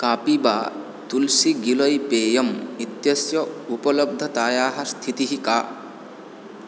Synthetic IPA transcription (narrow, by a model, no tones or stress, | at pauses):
kaːpibaː | t̪ulsiɡilɐjpeːjɐmit̪jɐsjɐupɐlɐb̚d̪ʱɐt̪aːjaːɦɐst̪ʰit̪iɦikaː